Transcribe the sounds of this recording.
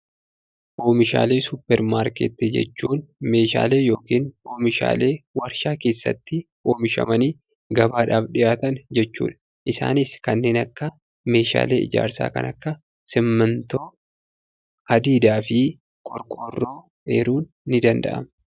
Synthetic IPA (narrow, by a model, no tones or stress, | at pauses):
ʔo̞ːmɪʃa̰ːle̞ːsʊpːɛɾmaːɾkɛ̰t̪ːɪd͡ʒɛ̰t͡ʃːuːnme̞ːʃa̰ːle̞ːjo̞ːkiːno̞ːmɪʃa̰ːle̞ːwɐɾʃaːke̞ːsːɐ̰t̪ːɪ | ʔoːmɪʃɐ̰mɐniː | ɡɐbaːᶑaːfᶑɪjʔaːt̪ɐnd͡ʒɛt͡ʃːṵːᶑɐ̥ | ʔɪsa̰ːnɪskɐnːe̞ːnɐkːɐ | me̞ːʃa̰ːle̞̰ːɪ̰d͡ʒa̰ːɾsa̰ːkɐ̰nɐ̰kːɐ | sɪmːɐnt̪o̞ː | ɐd̪iːd̪aːfɪ | kʼɔɾkʼɔrːo̞ː | ḛːɾuːnːɪd̪ɐnd̪ɐ̰ʔɐ̰m